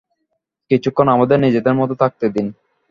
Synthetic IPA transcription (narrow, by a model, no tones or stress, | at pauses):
kit͡ɕukʰːonamad̪eɾnid͡ʑed̪eɾmɔt̪ot̪ʰak̚t̪ed̪in